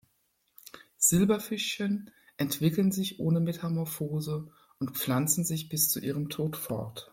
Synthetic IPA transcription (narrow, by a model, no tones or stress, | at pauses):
z̥ɪlbɐfɪʃçən | ʔɛntv̥ɪklənzɪçʔoːnəmɛtʰamɔɐfoːzə | ʔʊntp͡flant͡sn̩zɪçb̥ɪst͡suʔiːʁ̞əmtʰoːtfɔ̰ɐt